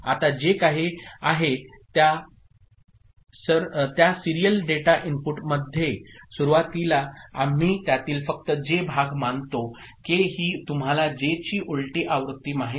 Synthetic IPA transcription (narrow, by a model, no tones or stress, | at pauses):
at̪ad͡ʑekaɦiaɦe | t̪ja | səɾt̪jasiɾijəlɖeʈaʔimpuʈməd̪ʱːjesuɾuʋat̪ilaam̤iːt̪jat̪iːlfək̚t̪əd͡ʑebʱaɡmant̪o | keɦiːt̪um̤alad͡ʑet͡ɕiːʔulʈiːʔaʋɾut̪ːiːmaɦe